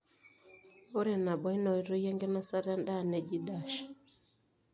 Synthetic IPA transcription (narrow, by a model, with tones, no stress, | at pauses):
ɔ˦ɾɛ˨na˨ɓɔ˨˦i˦nɔ˨i˨ɾɔ˦jɛ˦ŋɡɛ˦na˦sa˦ɾa˦nda˦˨nɛ˨d͡ʒi˦da˨ʃḁ˨